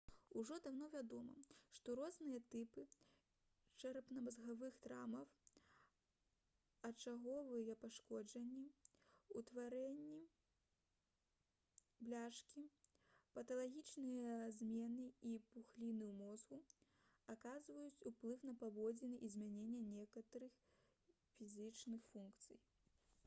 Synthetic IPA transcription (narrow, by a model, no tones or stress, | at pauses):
uʐɔd̪awnɔvʲad̪ɔmɐ̰ʂt̪ɔɾɔznɨjɐt̪ɨpɨ | t͡ʂɐɾɐpnɐmɐzɣavɨxt̪ɾa̰mɐw | ɐt͡ʂaɣɔvɨjɐpaʂkɔd͡ʒɐnʲːiut̪vaɾɛnʲːi | blʲaʂkʲi | pɐt̪ɐlˠaɣʲit͡ʂnɨjɐzʲmʲɛnɨipuxlʲinɨwmɔzɣu | akazvɐjut͡sʲuplˠɨwnɐpavɔd͡zʲinɨʔizʲmʲanʲɛnʲːɐnʲɛkɐt̪ɐɾɨx | fʲizʲɨt͡ʂnɨxfunkt̪sɨ̰j